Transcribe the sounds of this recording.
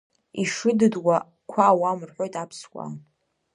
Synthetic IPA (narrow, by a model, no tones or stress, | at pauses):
iʂɨdɨdwa | kʷʰaːwamɨrħʷᶣo̞jtʼapʰskʷʼa̰